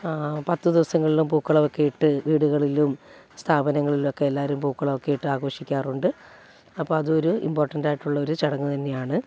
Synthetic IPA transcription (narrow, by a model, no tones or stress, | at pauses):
pɐt̪ːɨd̪iʋɐsɐŋːɐɭilumpuːkːɐɭɐʋokːe̞jiʈːɨʋiːɽuɣɐɭilum | st̪ʰaːbɐnɐŋːɐɭilumokːe̞elːaːɐɾumpuːkːɐɭɐʋokːejiʈːɨaːɣo̞ːʂikʲːaːruɳɖɨ | ɐpːoːɐðuoɾuḭmpo̞ːrʈːɐndaːjiʈːuɭːɐoɾut͡ɕɐɽɐŋːut̪ɐnːejaːɳɨ